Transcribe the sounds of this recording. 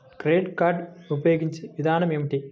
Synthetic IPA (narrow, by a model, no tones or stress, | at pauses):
kɾeːɖkaːɾɖupɐjoːɡiɲt͡ʃiʋid̪ʱaːnɐmemiʈi